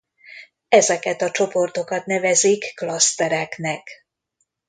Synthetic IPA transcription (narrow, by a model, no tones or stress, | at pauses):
ɛzɛkɛt̪ɒt͡ʃo̞po̞rt̪o̞kɒt̪nɛvɛzikːlɒst̪ɛɾɛknɛk